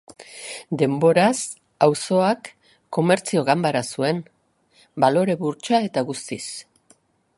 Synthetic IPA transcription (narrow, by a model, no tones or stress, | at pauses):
d̪e̞mbo̞ɾas | awso̞akː | o̞me̞ɾt͡sio̞ɣambaɾasue̞n | balo̞ɾe̞βuɾt͡ʃae̞t̪aɣust̪is